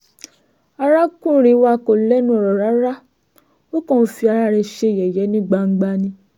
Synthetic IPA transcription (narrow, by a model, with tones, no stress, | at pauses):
a˧ɾa˦kũ˦˨ɾ̃ĩ˧˦wa˧ko˨lɛ˦nũ˦ɔ˨ɾɔ˨ɾa˨˦ɾa˦ | o˦kõ˦˨n̩˦fi˧a˧ɾa˦ɾɛ˧ʃe˧˨jɛ˨jɛ˨˦nĩ˦ɡ͡ba˧ŋ̩˦ɡ͡ba˧nĩ˧